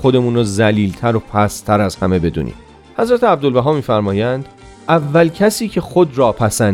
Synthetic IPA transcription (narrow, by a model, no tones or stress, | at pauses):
xod̪e̞muːnɾozæliːlt̪ʰæɾopʰæst̪ʰæɾæzhæme̞be̞d̪ṵːnḭːm | hæzɾæt̪ʰeæb̚d̪o̞lbæɦɒːmiːfæɾmɒːjænd̪̥ | ʔævːælcʰæsiːcʰe̞xod̪rɒːpʰæsæn